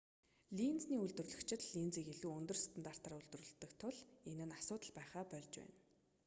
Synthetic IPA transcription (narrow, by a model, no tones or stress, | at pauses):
ɮint͡sniːɵɮt̪ɵ̆rɮɵ̆kt͡ɕʰɪ̆t̪ɮint͡siːkeɮuːɵnt̪ɵ̆rst̪ʰə̆nt̪aːr̥t̪arɵɮt̪ɵ̆rɵ̆ɬt̪ːɵ̆kt̪ʰʊɮenɘ̆nasʊːt̪ə̆ɮpæːχaːpœɮʲt͡ɕpæ̰ːn